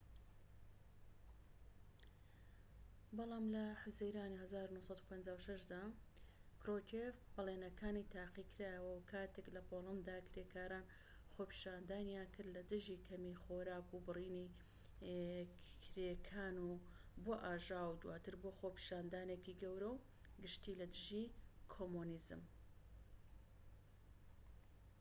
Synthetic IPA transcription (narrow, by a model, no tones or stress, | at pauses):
bɑlˠɑːmlɐħʊzijɾaːnihɐzaːɾunuhsˤɑd̪upʰɐnd͡ʒaːwʃɐʃd̪aː | kɾot͡ʃefbɐleːnɐkʰaːnit̪ʰaːqikʰɨɾaːjəwɐwkʰaːt̪ʰeklɐpoːlˠɐnd̪d̪aːkɾeːkʰaːɾaːn | xoːpi̥ːʃaːnd̪aːnjaːnkʰɨɾd̪lɐd̪ɨʒiːkʰɐmixoːɾaːkubɨriːni | kʰɾekʰaːnuboːʔaːʒaːwud̪waːt̪ɨɾboːxoːpi̥ʃaːnd̪aːnekiɡɐwɾɐw | ɡɨʃt̪iːlɐd̪ɨʒikʰomunizɨ̰m